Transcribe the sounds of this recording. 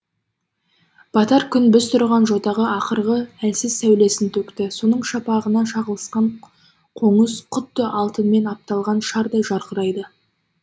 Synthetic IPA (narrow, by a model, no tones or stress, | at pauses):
b̥ɑt̪ɑɾkʲʰʏnbʏst̪ʰʊɾʁɑnʒo̞t̪ɑʁəɑqəɾʁəælsɪzsæwle̞sɪnt̪ʰɵkt̪ɪso̞nəɴʃɑpɑʁənɑʃɑʁəlˠəsqɑɴ | qʰo̞ɴəsqʰʊt̪ːəʔɑlˠt̪ənme̞nɑp̚t̪ɑlˠʁɑnʃɑɾd̪ɑʒɑɾqəɾɑjd̪ə